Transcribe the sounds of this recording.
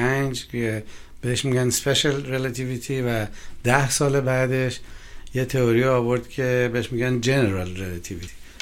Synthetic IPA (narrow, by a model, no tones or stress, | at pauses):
ænd͡ʒe | b̥eɦeʃmiɡænspeʃalɾelat̪ʰivit̪ʰivæd̪̥æhsɒːlebæːd̪e̞ʃjet̪ʰeoɾiɒːβo̞ɾd̪kʰe̞beeʃmiɡænd͡ʒe̞neɾɑlɾelæt̪ʰivit̪ʰi̥